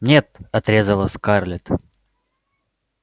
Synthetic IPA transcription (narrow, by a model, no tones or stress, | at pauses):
nʲet̪̚ɐt̪ɾʲezəlˠəskarlʲɪt̪